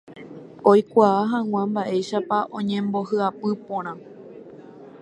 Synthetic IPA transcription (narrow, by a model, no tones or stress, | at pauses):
ojkʷaːɦãw̃ʷãmbaʔe̞jʃapaʔõɲẽ̞mbo̞hɨapɨpõɾ̃ã